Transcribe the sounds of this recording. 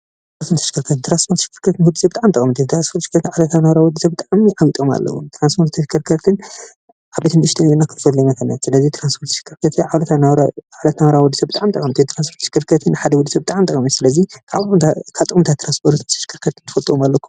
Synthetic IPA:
t̪ | ɾanst̪ʰont̪ʰːɐʃkʰɨɾkʰɐt̪ɨnt̪ɾanspʰoɾt̪ʃi̥kʰːɨɾkʰɐt̪ɨnwɔd̪i̥sɐbɨt̪ʼaʕmt̪ɐkʼmt̪ʰɨnt̪ɾanspʰot̪ʃkʰːɐɾt̪ɨnʕaβlɐt̪ʰanawɾawɔd̪isɐbɨt̪ʼaʕmʕawit̪ʼoma̰lːɐ̰wṵt̪ʰɾanspʰoɾt̪ʰːɐʃkʰːɐɾkʰɐɾt̪ʰɨn | ʕaβdɐt̪ʰɨnʃt̪ʰɐnenːakʰɨnfɐd̪lonɐkʰɐnɐsɨlɐzit̪ʰɾanspʰoɾt̪ːʃkʰːɨɾkʰɐt̪ʰɨʕaβlɐt̪ʰanɾaaβlɐt̪nawɾawɔd̪ːisɐbɨt̪ʼaʕmit̪ʼɐ̰kʼɐmt̪ɨnt̪ʰɾanspʰoɾt̪ʃɪ̥kɨɾkʰɐt̪ʰɨnːħad̪ɐwɔd̪ːisɐbɨt̪ʼaʕmt̪ʼɐkʼmit̪sɨlɐzikʰat̪akʰaβt̪ʼɨxʼɨmt̪ʰat̪ʰɾanspʰoɾt̪ʰt̪ʰɐ̥ʃkʰɨɾkʰɐt̪ʰɨnt̪ʰɨfɐlt̪ʼuomalːɐkʰːu̥

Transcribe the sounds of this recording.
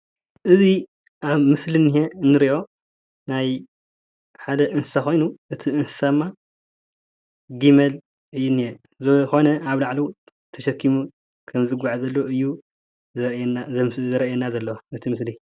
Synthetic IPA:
ʔɨzi | ʔaβmɨslinijeɨnːɨɾiʔo̞ | naj | ħad̪ɐʔɨnsɨ̥saxo̞jnuʔɨt̪ʰiɨnsɨ̥sadɨmːa | ɡimɐl | ɨjːunːije | zɨxo̞nɐʔaβlaʕlu | t̪ʰɐʃɐkːimu | kʰɐmzɨɡaʕazɐlːoɨjːu | zɐɾɐʔjɛnːazɐlːɐwaɨt̪ʰimɨsli

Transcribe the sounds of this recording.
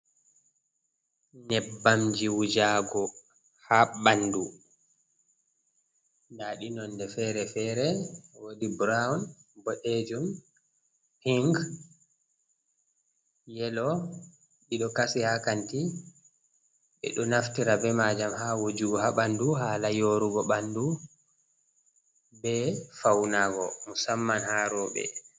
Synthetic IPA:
nɛbːamd͡ʒiwud͡ʒaɡɔ | haɓandu | ndaɗinɔnːdɛfɛɾɛfɛːɾɛwodibɾawunbɔɗed͡ʒum | hiŋɡ | jɛlɔ | ɗiɗɔkasihakanti | ɓɛ̰ɗɔnaftiɾabɛmad͡ʒamhawod͡ʒuɡɔhaɓanduɦaːlajoɾuɡɔɓandu | bɛfawnaɡɔmusamːanhaɾɔɓɛ̰

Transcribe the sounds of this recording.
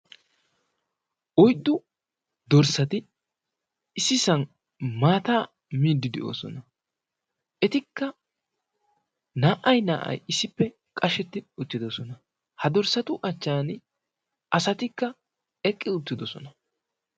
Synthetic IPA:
ʔɔjd̪ːʊ | d̪ɔɾsɐt̪ɪ | ɪsɪsɐn | maːt̪aː | miːd̪ːɪd̪ɛʔo̰ːsɔ̰nɐ | ʔɛt̪ɪkːɐ | naːʔɐjna̰ːʔɐ̰jɪsɪpːɛ | kʼɐʃɛt̪ːɪʊt̪ːɪd̪ɔsɔnɐ | hɐd̪ɔɾsɐt̪ʊʔɐt͡ʃːaːn | ʔɐsɐt̪ɪkːɐ | ɛkʼːɪʊt̪ːɪd̪ɔsɔ̰nɐ

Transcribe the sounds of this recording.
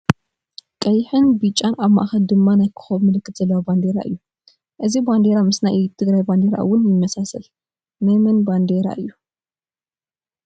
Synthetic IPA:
kʼɐjħɨnbit͡ʃʼːanaβma̰ʔxɐld̪ɨmːanajkʰɨ̥xɐβmɨlɨkːɨt̪z̥ɐlːɐwaband̪eɾa̰ʔɨ̰jːu | ʔɨziband̪e̞ɾamɨsnajʔjt̪ʰɨɡɾajband̪eɾa̰ʔɨ̰wːʊnjɪmːɐsasɐl | najmɨnband̪eɾa̰ʔɨjːu

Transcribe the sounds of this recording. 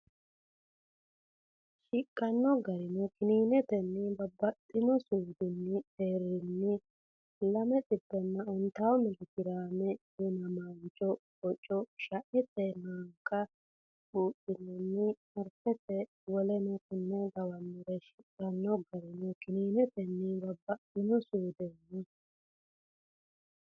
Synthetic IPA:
ʃɪkʼːɐnːɔɡɐɾɪnɔkɪniːnɛt̪ɛnːɪbɐbːɐt̪ʼːɪnɔsuːd̪ɪnːɪeːɾːɪnːɪ | lɐmɛtʼɪbːɛnːɐɔnt̪awɔmɪlɪɡɪɾaːmɛjɛnɐmant͡ʃʼɔkɔt͡ʃʼːɔʃɐʔɛt̪ɛnaŋkːɐ | kuːtʼːɪnɛnːɪ | ɐɾfɛt̪ɛ | wɔlɛnɔkɪnːɛd̪ɐwɐnːɪɾɛʃɪᶑɐnːɔɡɐɾɪnɔkɪniːnɛt̪ɛnːɪbɐbːɐt̪ɪnɔsuːd̪ɛnːɪ

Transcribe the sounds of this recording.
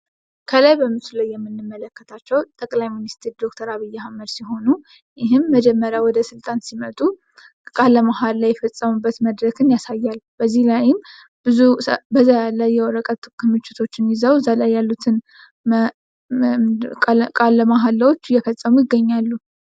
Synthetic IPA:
kʰəlajbəmɨt̪uləjːɛmːɨnːɨmːələkːət̪ʰat͡ʃːɛwt̪ʼəkʼlajminist̪ʰɨɾd̪o̞kt̪ʰəɾaβɨjːɛhaməd̪siɦo̞nu | jɪɦɨmːəd͡ʒɛmːəɾjawɔd̪əsɨlt̪ʼansimət̪ʼu | kʼaləmaɦalːajːɛfəsʼːəmubːət̪məd̪ɾəkʰɨnjasajːalb̥əzːihlajɪm | b̥ɨzubəzajalːəjɛwɔɾəkʼət̪ːɨkʰːɨmːɨt͡ʃːɪt̪ʰo̞t͡ʃːɪnjɪzəwzalajːalːut̪ʰɨn | kʼalːəmaɦalːawot͡ʃːjɛfəsʼːəmujɪɡːəɲːalːu

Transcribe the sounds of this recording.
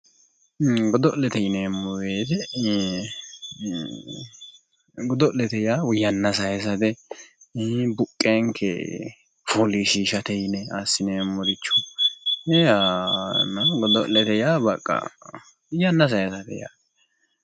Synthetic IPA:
ɡɔd̪ɔlɛt̪ɛjɪnɛmːɔbeːt̪ɛ | ɡɔd̪ɔlɛt̪ɛjawʊjɐnːɐsɐjɛs̬ɐt̪ɛ | bʊkʼːeŋkʰːɛ̰ | fɔliʃiːʃɐt̪ɛjɪnɛasːɪnɛmːɔd̪ɪt͡ʃːɔ | ɛanɐɡɔd̪ɔlɛt̪ɛjaːbɐkʼːɐ̰ | wʊjɐnːɐs̬ɐjɛsɐt̪ɛ̰ja̰ː

